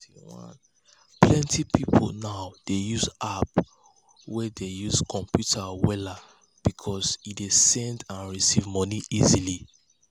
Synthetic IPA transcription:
iwɔ̰̃n | plɛ̃ntipipʰo̰naʊd̥ejuzap | wɛdejuzkʰɔ̃mpjutʰawɛla | b̥ikʰɔsidesɛ̃ndãnɹisivmɔniʔizili

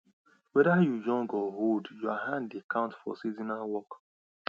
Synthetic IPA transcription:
wɛdajujɔ̃ŋɡɔɦoldjuaɦãndekʰãʊ̃ntfɔ̰sizinawɔk

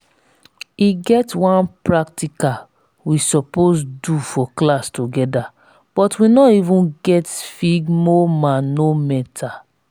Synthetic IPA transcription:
iɡɛtwãnpɹak̚tika | wisɔposdufɔklastuɡɛda | b̥ɔtwinɔivũnɡɛtfiɡmɔmãnnomɛtʰa

